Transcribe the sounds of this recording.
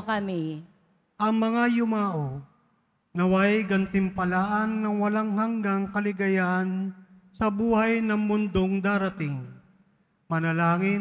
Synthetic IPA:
kɐmi | ʔɐŋmɐŋajʊmaːʔo | nɐwajɡɐnt̪ɪmpɐlaːʔɐnːɐŋwɐlaŋhɐŋɡaŋkɐlɪɡɐjaːnsɐbuːhɐjnɐŋmʊnd̪oŋd̪aːɾɐt̪ɪŋ | mɐnɐlaːŋɪ

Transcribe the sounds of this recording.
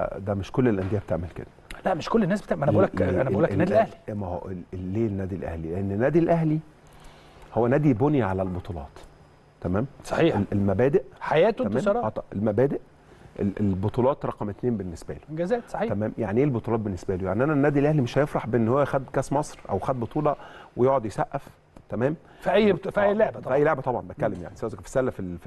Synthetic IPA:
d̪æmeʃkolːelʔænd̪ejæbet̪eʕmelkḛd̪̥ælæʔmeʃkolːenːæːsbet̪emænæʔulːkʔænææʔulːænæːd̪ilæhli̥æmæho̰elːeːnːæːd̪ilʔæ̰hlileʔenːenːæːd̪ilʔæhli | howːænæːd̪ibonjæʕalælbot̪ˤulɑ̰ːt̪ | t̪ːæmæːmsˤɑħiːelelmæbæːd̪eʔħajæːt̪ːæmæːmɑɾˤɑɑt̪ˤɑʔḛlmæbæːd̪eʔ | ʔḛlelbot̪ˤuːlɑːt̪ɾˤɑqɑmet̪neːmbenːesbæ̰lo̥ɡæzæːt̪sˤɑiːt̪æmæːmjaʕniʔeːlbot̪ˤulɑːt̪̚benːesbælujaʕniʔænænːæːd̪ilʔæhlimeʃhæjefɾˤɑħbeʔenːhowːæjxæd̪kæsmɑsˤɾʔæ̰wxæd̪̚bot̪ˤuːlɑwejoʔʕod̪jesæʔːæf | t̪æmæːm | fiʔæjːfʔæjːloʕbæʔjːloʕbæt̪ˤɑbʕɑmbæt̪̚kːælːemja̰ʕnisææzkfi̥sælːæfilf

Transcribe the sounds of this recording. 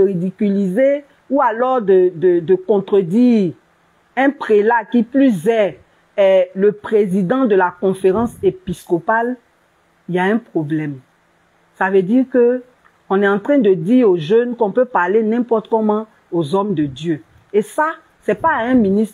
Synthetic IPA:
ʁid̪ikylize | ualɔʁd̪əd̪əd̪əkɔ̃t̪χəd̪iːʁ | ɛ̃pχelakiplys̬ɛ | ləpχezid̪ɑ̃d̪əlakɔ̃feʁɑ̃sepiskɔpal | ijaɛ̃pχoblɛm | savəd̪iʁkə | ɔ̃nɛɑ̃t̪χɛ̃d̪əd̪iʁoʒønkɔ̃pøpaʁlenɛ̃pɔʁt̪kɔmɑ̃ | ozɔmd̪əd̪jø | esa | sɛpaɛ̃minis

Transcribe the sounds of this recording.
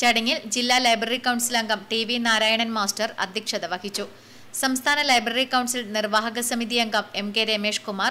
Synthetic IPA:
t͡ɕɐɽɐŋːild͡ʑilːaːlɐjbrɐrikːɐwɳɖsilɐŋɡɐmʈiʋinaːɾaːjɐɳɐnmaːsʈɐrɐ̰d̪ʱjɐkʂɐd̪ɐʋɐkit͡ɕːu | sɐmst̪ʰaːnɐlɐjbrɐɾikɐwɳɖsilnirʋaːɦɐɣɐsɐmiðijɐŋɡɐme̞mkeɾemeːʂkumaːr

